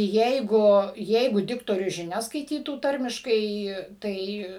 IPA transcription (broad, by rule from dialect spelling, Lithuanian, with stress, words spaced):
ˈjɛɪɡʊ ˈjɛɪɡʊ ˈdʲɪktoːrʲʊs ʒʲɪˈnʲɛs skɐɪˈtʲiːtuː ˈtɐrʲmʲɪʃkɐɪ ˈtɐɪ